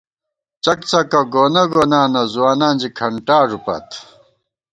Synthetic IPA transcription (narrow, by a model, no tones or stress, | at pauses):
t͡ɕɐkt͡sɐkɐɡoːnɐɡoːnaːnɐzuwaːnaːnd͡ʑikʰɐɳʈaːʐupɐ̰t̪